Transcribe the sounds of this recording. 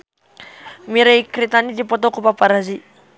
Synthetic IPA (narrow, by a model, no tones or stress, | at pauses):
miɾajkɾit̪anid̪ipɔt̪ɔkupapaɾazi